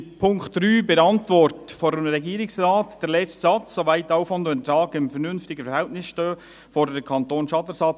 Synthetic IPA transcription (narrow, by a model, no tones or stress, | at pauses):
pʰʊŋktd̥ɾyːbɛɾɑntʋɔɾtfoːɾəmɾɛɡiːɾɪksɾɑːtd̥ɛɾlɛt͡stsɑt͡ssoʋæɪtːɑʊfɔndontɾɑːɡɪmfəɾnʏnftɪɡəfɛɾhɛltnɪsʃtøː | foːɾdɛkʰɑntoːnʃɑtəsɑt͡s